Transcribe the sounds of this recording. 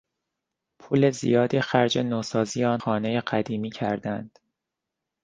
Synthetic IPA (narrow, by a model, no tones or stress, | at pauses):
pʰuːle̞zḭjɒːd̪ixæɾd͡ʒe̞noːsɒːziːeɒːnxɒːnejeɢæd̪iːmiːcʰæ̰ɾd̪ænd̪̥